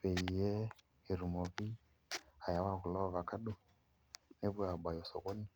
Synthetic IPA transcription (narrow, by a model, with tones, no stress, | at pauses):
pɛ˨i˨jɛ˦ | e˨ɾu˨mɔ˨βi˦ | a˨ja˦wa˦ɣu˨lɔ˦˨βa˨ka˦ɗu˦ | ne˦βwa˨ba˨jɔ˨sɔ̰˨ɣɔ˦ni˨